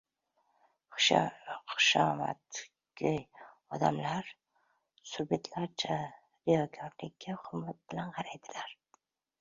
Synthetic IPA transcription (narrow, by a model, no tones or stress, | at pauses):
χʊʃɒma̰t̪ | kʲʰɪj | ɒd̪a̰mlaɾ | sʊɾbet̪ʰlaɾt͡ʃʰa | ɾɪjɒɡʲʰɒɾlɪkʲːaχʊɾmːat̪̚b̥ɪlanqʰɑɾajd̪ɪlaɾ